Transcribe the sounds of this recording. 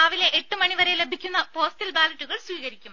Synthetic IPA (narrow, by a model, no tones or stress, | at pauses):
ɐʋileʔeʈːɨmɐɳiʋɐɾejlebʱikʲːunːɐpo̞ːstilbaːlɐʈːuɣɐɭsʋiːɣɐɾikʲːum